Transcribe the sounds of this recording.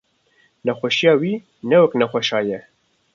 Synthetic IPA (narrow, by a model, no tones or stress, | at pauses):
nɛxʷɛʃijɑːwiː | nɛwɛknɛxʷɛʃɑːjɛ